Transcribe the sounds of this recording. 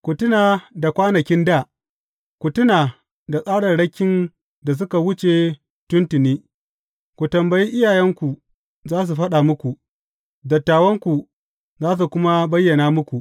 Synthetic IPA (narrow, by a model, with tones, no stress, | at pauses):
kʷu˨tʊ˦naː˨da˨kʷaː˦nɐ˨kʲɪ˦nda˦˨ | kʷu˨tʊ˦naː˨ | da˨sʼaː˦ɽɐ˨ɽɐ˦kʲːɪ˦n | da˨s̬ʊ˦ka˨wʊ˦t͡ʃe˨ | tʊ˦ntɪ˨niː˦ | kʷu˨tɐ˨mbɐ˨ji˦ʔɪ˦jaː˨jɐ˦ŋkʷu˨ | zaː˦s̬u˨ɸɐ˦ɗa˨mʊ˦kʷu˨ʔ | dɐ˨tːaː˨wɐ˦ŋkʷu˨ | zaː˦s̬u˨kʷʊ˦ma˦bɐ˦jːɐ˨naː˦mʊ˦kʷu˨ʔ